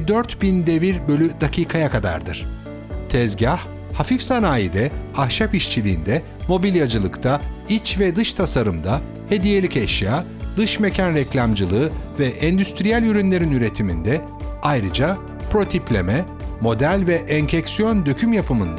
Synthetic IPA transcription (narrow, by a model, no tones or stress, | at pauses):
d̪øɾt̪bind̪e̞viɾbø̞lʲyd̪akʰiːkʰajakʰad̪a̰ɾd̪ɯ̰ɾ̥ | t̪ʰɛzɟah | hafifsanaːjid̪ɛahʃapiʃt͡ʃʰilʲiːnd̪ɛ | mo̞bilʲjad͡ʒɯlˠɯkt̪ʰait͡ʃvɛd̪ɯʃt̪ʰasaɾɯmd̪a | he̞d̪ije̞lʲicɛʃjaː | d̪ɯʃmecʰænɾɛclʲamd͡ʒɯlˠɯɯvɛʔɛnd̪yst̪ɾijælʲyɾynlʲe̞ɾinyɾe̞t̪ʰimind̪ɛ | ajɾɯd͡ʒa | pɾo̞t̪ʰiplʲemɛ | mo̞d̪ælʲvɛʔɛɲcʰɛcsijo̞nd̪ø̞cʰymjapʰɯmɯnd̪a